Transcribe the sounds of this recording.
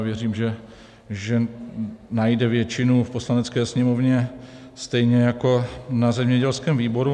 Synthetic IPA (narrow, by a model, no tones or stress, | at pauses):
vjɛriːmʒɛ | ʒɛ | najdɛvjɛt͡ʃɪnufpo̞slanɛt͡skɛːsɲɛmovɲɛ | st̪ɛjɲɛjako̞nazɛmɲɛɟɛlskɛːmviːbo̞ɾu